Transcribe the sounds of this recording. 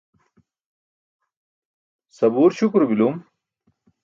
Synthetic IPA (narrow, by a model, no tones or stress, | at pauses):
sɐbuːɾɕukɾbilum